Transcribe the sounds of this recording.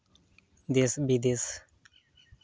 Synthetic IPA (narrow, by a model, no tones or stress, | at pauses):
d̪esbid̪is